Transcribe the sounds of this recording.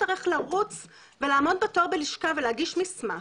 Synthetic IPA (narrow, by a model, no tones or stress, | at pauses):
aʁiχlaʁut͡s | velaːmo̞d̚beto̞ʁbeliʃkaveleaɡiʃmisma